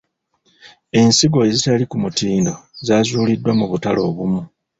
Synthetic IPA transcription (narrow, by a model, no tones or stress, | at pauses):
e̞nsiɡo̞ezitalikumutiːndo̞zaːzuːlidːwamuβutalo̞ːβumu